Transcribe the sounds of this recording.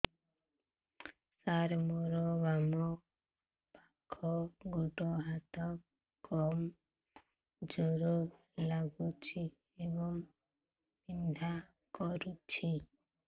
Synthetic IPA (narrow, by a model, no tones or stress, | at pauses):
saɾmɔɾɔβamɔ | pakʰɔɡuʈɔɦat̪ɔ | kɔm | d͡ʒɔɾɔ | laɡut͡ʃʰi | ebɔŋ | bind̪ʱa | kɔɾut͡ʃʰi